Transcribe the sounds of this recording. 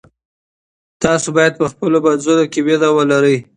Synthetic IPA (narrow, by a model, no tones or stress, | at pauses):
t̪ɑsobɑjad̪̚pəxpəlobad̪zoɾokewed̪awəlaɾəj